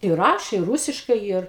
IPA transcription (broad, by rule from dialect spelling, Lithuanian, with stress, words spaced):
ɪ ˈrɑːʃʲeː ˈruːsʲɪʃkɐɪ iːr